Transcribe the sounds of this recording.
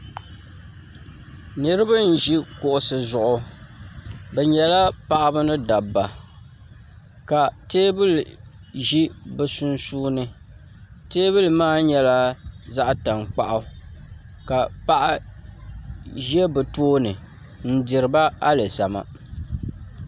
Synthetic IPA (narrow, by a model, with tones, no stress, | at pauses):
nɨ˦ɾɨ˦bɨ˦n̩˨ʒi˦kʊ˨ʔʊ˨sɨ˨zʊ˨ʔʊ˦ | bɛ˨ɲɛ˨la˦pa˨ʔa˦bɨ˦nɨ˦da˨bːa˨ | ka˨teː˦bɨ˦lʒi˦bɛ˨sʊ˦nsuː˦nɨ˦ | teː˦βɨ˦lmaː˦ɲɛ˦la˦za˦ʔta˨ŋk͡pa˦ʔa˦ | ka˨pa˨ʔa˦ | ʒɛ˦bɛ˨toː˦nɨ˨ | n̩˦dɪ˨ɾɨ˨ba˦a˦lɨ˨sa˨ma̰˨